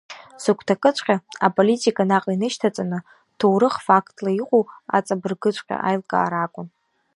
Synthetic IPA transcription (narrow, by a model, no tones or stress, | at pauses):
sɨkʷʰtʰakʼɨt͡sʷʰʼqʲʼaapʼolitʼikʼanaqʼinɨʃtʰat͡sʼanɨ | tʰowɾɨχfakʰtʼlaiqʷʼoa̰t͡sʼabɨrɡɨt͡ɕʷʰʼqʲʼa̰ʔajlkʼa̰ːɾakʷʼʊn